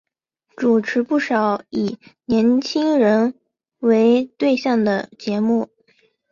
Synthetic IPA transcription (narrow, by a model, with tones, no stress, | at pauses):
ʈ͡ʂu˨˩ʈ͡ʂʰɻ̩˧˥pu˥˩ʂɑ˨˩ʊi˨˩njɛ˧˥nt͡ɕʰi˥ŋɻə˧˥n | we˧˥ɪt̪we˥˧ɪɕjɑ˥˩ŋd̪ə˩t͡ɕjɛ˧˥mu˥˩